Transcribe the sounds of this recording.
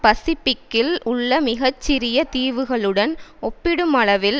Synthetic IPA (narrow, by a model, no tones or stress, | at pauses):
pɐsɪpɪkːɪlʊɭːɐmɪɣɐt͡ʃːɪɾɪjɐt̪iːʋɯɣɐɭɯɽɐnɔpːɪɽɯmɐɭɐʋɪl